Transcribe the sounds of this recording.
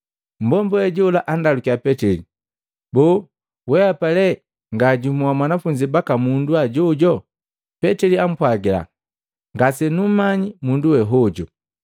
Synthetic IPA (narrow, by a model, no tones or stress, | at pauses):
m̩bɔmbɔɛɟɔlaʔandalukiapɛtɛli | bɔː | wɛapalɛ | ŋɡaːɟumuwamwanafuɲd͡ʒibakamunduaɟɔɟɔ | pɛtɛliam̩pwaɡila̰ | ŋɡasɛnum̩maɲimunduwɛɦɔɟɔ